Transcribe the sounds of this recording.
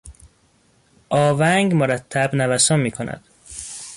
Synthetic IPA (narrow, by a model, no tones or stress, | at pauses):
ʔɒːvæŋɡmoɾæt̪ʰːæbnævæsɒnmiːkʰonæ̰d̪̥